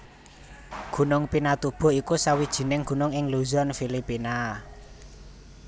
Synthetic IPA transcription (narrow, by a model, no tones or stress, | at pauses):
ɡ̥ṳnʊŋpinat̪ub̥ɔ̤ikusawid̥ʒ̥i̤nɪŋɡ̥ṳnʊŋɪŋluzɔnfilipina